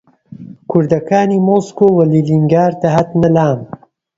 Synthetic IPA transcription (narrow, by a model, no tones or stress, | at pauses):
kʰʊɾd̪ɐkaːniːmoskoːwɐliːliŋɡaːɾt̪ɐɦɐt̪nɐlaːm